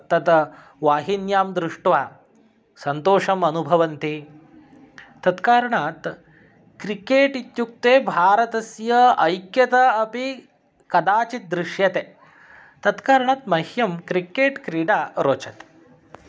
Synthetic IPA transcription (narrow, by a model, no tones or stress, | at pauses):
t̪ɐt̪ | ʋaːɦinjaːmd̪ɾuʂʈʋaː | sɐnt̪oːʂɐmɐnubʱɐʋɐnt̪i | t̪ɐt̪kaːɾɐɳaːt̪ | kɾikeːʈit̪juk̚t̪eːbʱaːɾɐt̪ɐsjɐɐjkjɐt̪ɐɐpi | kɐd̪aːt͡ʃit̪̚d̪ɾɪʂjɐt̪e | t̪ɐt̪kaːɾɐɳaːt̪mɐhjɐmkɾikeːʈkɾiːɖaːɾoːt͡ʃɐt̪